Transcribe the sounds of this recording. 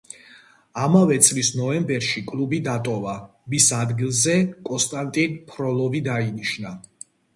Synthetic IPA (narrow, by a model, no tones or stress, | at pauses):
amavɛt̪sʼlisnɔɛmbɛɾʃikʼlubid̪at̪ʼɔva | misad̪ɡilˠzɛkʼɔnst̪ʼant̪ʼinpʰɾɔlˠɔvid̪ainiʃna